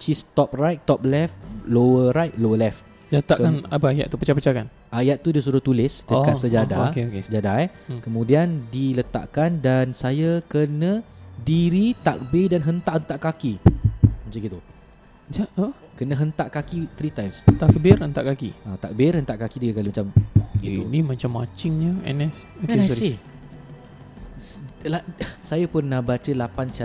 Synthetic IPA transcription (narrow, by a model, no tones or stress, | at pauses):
t͡ʃist̪ɔp̚rajt̪̚t̪ɔp̚lɛflowəɾajt̪̚lowəlɛf | t̪aʔkkanapəaja̰ʔt̪upət͡ʃapət͡ʃakan | ʔajat̪̚ːudis̬uɾʊht̪ulɪsdəkasəd͡ʒadakeokesəd͡ʒadajkəmũdiandilət̪a̰ʔkandansajakənə̃diɾit̪a̰k̚bɪdanɦənt̪aʔhənt̪aʔkaki | mat͡ʃaɡit̪u | d͡ʒakənə̃ɦənt̪aʔkakit̪ɾit̪ajmst̪aʔkəbɪrənt̪aʔkakḭʔat̪ak̚bɪrhənt̪aʔkakit̪iɡakalimat͡ʃamɡiunimãt͡ʃamːat͡ʃɪŋɲəɛ̰nɛsokɛnɛsi | lasajapʊnːahbat͡ʃəlapant͡ʃa